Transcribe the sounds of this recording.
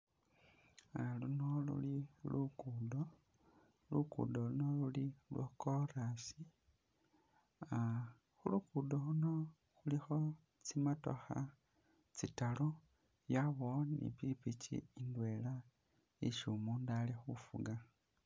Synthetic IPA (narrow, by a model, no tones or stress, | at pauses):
alunolṵlilukudo | lukṵdolunolulilwokoɾasi | a | xulukudoluno̞ | xulixo | t͡simato̰xa̰ | t͡sitalo | jaβonḭpipit͡ʃḭːndwe̞ːla | iʃumuːndalixufuɡa